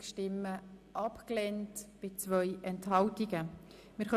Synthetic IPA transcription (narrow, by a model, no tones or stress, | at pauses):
kʃtɪmːəʔɑpklɛntb̥ɪt͡svœʏʔɛnthɑltiɡə | mɪɾχœ